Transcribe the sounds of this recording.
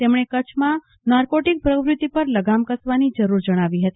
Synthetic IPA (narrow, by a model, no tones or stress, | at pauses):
t̪emɽ̃ekət͡ʃʰmã | naɾkoʈik̚pɾəʋɾɪt̪ipəɾləɡamkəsʋanid͡ʒəɾuɾd͡ʒəɽ̃aʋiɦət̪i